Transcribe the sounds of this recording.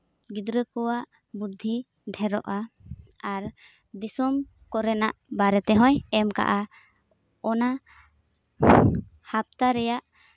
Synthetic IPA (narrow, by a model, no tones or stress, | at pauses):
ɡid̪ɾəkɔwaʔ | bud̪ʱːi | ɖʱɛɾɔʔaaɾ | d̪isɔm | kɔɾɛnaʔbaɾɛt̪ɛɦɔ̃jɛmka̰ʔa | ɔna | hap̚t̪aɾɛjaʔ